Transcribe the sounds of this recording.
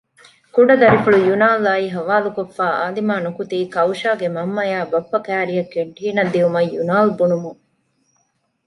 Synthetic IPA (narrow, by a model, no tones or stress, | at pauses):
kuɖɐd̪ɐɾifuɭujunaːlaːiɦɐʋaːlukofːaːʔaːlimaːnukut̪iːkɐwʃaːɡemɐmːɐjaːbɐpːɐkæːɾijɐkːeɳʈiːnɐd̪ːiumɐjjunaːlbunumuŋ